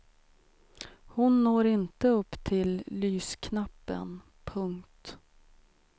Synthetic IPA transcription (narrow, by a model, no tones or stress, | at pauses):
hʊnːoːɾɪnt̪əɵpːt̪ʰɪlːyːskʰnapːə̰n | pʰɵŋkt̪